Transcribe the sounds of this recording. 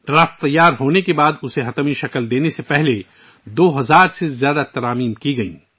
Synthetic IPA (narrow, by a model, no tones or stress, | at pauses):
d̪ɐɾəftt̪ːɐjːaːɾɦoːnekebaːd̪ʊseɦɐt̪miʃɐkəld̪eːnesepɛɦle | d̪oːɦɐzaːɾsezjaːd̪at̪ɐɾaːmiːmkiɡɐḭ̃ː